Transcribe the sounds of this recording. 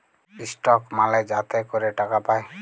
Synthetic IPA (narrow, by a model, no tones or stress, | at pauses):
isʈɔkmalajd͡ʒat̪ɛkɔɾeʈakapaj